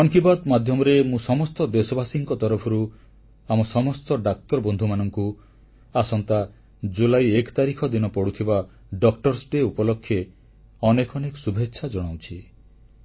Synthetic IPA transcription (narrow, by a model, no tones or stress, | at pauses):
ɔŋkibad̪mad̪ʱjɔmɔɾemũsɔmɔst̪ɔd̪esɔbasiŋkɔt̪ɔɾɔpʰɔɾu | amɔsɔmɔst̪ɔɖak̚t̪ɔɾɔbɔnd̪ʱumanɔŋku | asɔnt̪a | d͡ʒulajekt̪aɾikʰɔd̪inɔpɔɽut̪ʰiba | ɖɔkʈɔɾsʈeupɔlɔkʰːje | ɔnekɔnekɔsubʱetːʃʰad͡ʒɔɽ̃awt͡ʃʰi